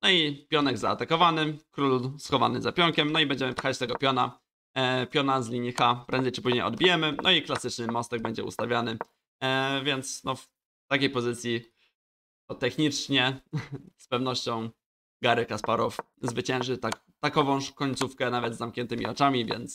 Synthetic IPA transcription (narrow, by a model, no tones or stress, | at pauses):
nɔipʲjɔnɛɡza̰ːt̪akɔvanɘkɾulsxɔva̰nɘzapʲjɔŋkʲɛmnɔibɛɲd͡ʑɛmɘpxat͡ɕt̪ɛɡɔpʲjɔna | pʲjɔnazlʲiɲixapɾɛnd̪ɛjt͡ʂɘpuʑɲejɔ̰d̪bʲijɛmɘnʔɔiklasɘt͡ʂnɘmɔst̪ɛɡ̚bɛɲd͡ʑɛṵst̪avʲjanɘ | vʲjɛnt̪snɔf | t̪akʲejpɔzɘt̪sʲji | ɔt̪ɛxɲit͡ʂɲɛ | spɛvnɔɕt͡ɕɔ̃w̃ | ɡaɾɘkaspaɾɔf | zvɘt͡ɕɛ̃ñʐɘt̪ak | t̪akɔvɔ̃w̃ʂkɔɲt̪sufkɛnavɛd̪zamkɲɛnt̪ɘmʲḭɔt͡ʂamʲivʲjɛ̰nt̪s